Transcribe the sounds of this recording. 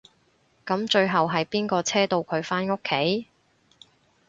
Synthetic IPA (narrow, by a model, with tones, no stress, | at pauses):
kɐ˨˥mt͡ʃɵ˧ɥɦɐ˨wɦɐ˨jpiː˥nkɔː˧t͡sʰɛː˥t̪o˧wkʰɵ˨˧ɥfaː˥nʊ˥kʰːe˨˥j